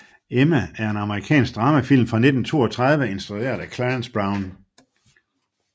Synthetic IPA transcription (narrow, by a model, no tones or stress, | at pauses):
emææɐe̝nɑ̈məʁikʰɛ̰ːnsɡ̥̚d̥ʁɑ̈məfil̰mfʁɑ̈ne̝d̥n̩t͡sʰo̝̰ːɒt͡sʰʁɑð̞ˠʋəe̝nsd̥ʁue̝̰ːɐ̰ðˠækʰlænsb̥ʁɑ̈ʊn